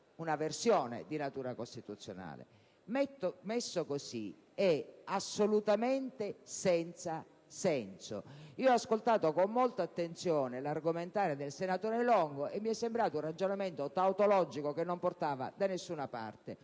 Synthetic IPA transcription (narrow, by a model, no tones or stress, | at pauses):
unaversjɔːnḛd̪inat̪uːɾakost̪it̪ut̪sːjo̰na̰ːlḛ | mɛt̪ːomesːokosḭ | ɛasːolut̪ament̪esɛnt̪sa | sɛnso̰iːoɔaskolt̪aːt̪okomːolt̪aːt̪ːent̪sjɔːnelarɡoment̪aːɾed̪elsenat̪oːɾelɔŋɡoʔemːiɛsːembɾaːt̪ounrad͡ʒonament̪ot̪awt̪olɔd͡ʒikokenːomport̪aːva̰d̪anesːuːnapa̰rt̪e